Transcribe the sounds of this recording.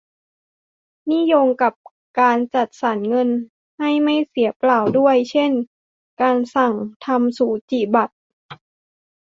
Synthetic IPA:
ni˥˨jo˧ŋka˨˩p̚ | kaː˧nt͡ɕa˨˩t̪̚sa˨˦nŋɤ˧n | ha˥˩jma˥˩jsi˩˦ɐplaː˨˩wdu˥˩əjt͡ɕʰe˥˩n | kaː˧nsa˨˩ŋt̪ʰa˧msuː˩˦t͡ɕi˨˩ba˨˩t̪̚

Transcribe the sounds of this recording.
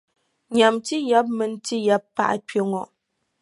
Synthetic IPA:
ɲa˨mti˦ja˦p̚mɛ˨n˦ti˦ja˦pːa̰˦˨ʔa˦pjo˨ŋɔ˨ʔ

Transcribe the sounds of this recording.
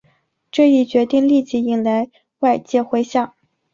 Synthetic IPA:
ʈ͡ʂɤ˥˧i˥˩t͡ɕɥɛ˧˥t̪i˥˧ŋli˥˧t͡ɕi˥˩i˧˥˩ŋla˧˥ɪ | wa˥˧ɪt͡ɕjɛ˥˧xwe˥ɪɕjɑ˥˩ŋ

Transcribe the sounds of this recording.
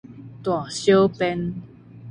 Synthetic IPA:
t̪wã˨˩ɕjo˦pɛ˦n

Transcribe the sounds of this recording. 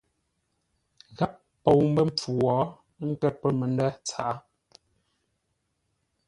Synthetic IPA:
ɣa˦ʔ | po˨wm̩˦bə˦m˨p͡fu˨wɔː˨˦ | ŋ̩˦kɛ˦t̚pə˦me˨ndɛ˦t͡sa̰˨ʔa˦

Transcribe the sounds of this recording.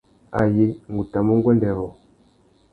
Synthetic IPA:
a̰˨ji˦ŋ̩˨ɡu˨ta˨mu˦ŋ˦ɡwɛ˦ndɛ˨ɾɔ˨

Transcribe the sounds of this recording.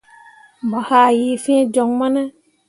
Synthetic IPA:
mba˨haː˨ji˨fĩ˦d͡ʒɔ˨ŋma˦na˦

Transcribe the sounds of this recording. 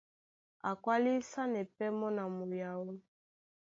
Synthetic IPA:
a˨kwa˦li˦sa˦nɛ˨pɛ˦mɔ˦na˨mu˨ja˨wo˦

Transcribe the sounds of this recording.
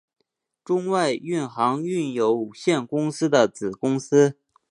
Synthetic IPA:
ʈ͡ʂʊ˥ŋwa˥˧ɪy˥˩nxɑ˧˥ŋy˥˩njo˧˥ʊu˨˩ɕjɛ˥˩nkʊ˥ŋsɹ̩˥d̪ə˨t͡sɹ̩˨˩kʊ˥ŋsɹ̩˥

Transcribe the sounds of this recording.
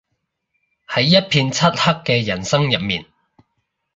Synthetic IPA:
hɐ˨˥jːɐ˥t̚pʰiː˧nt͡sʰɐ˥t̚hɐ˥kːɛː˧jɐ˨˩nsɐ˥ŋjɐ˨p̚miː˨n

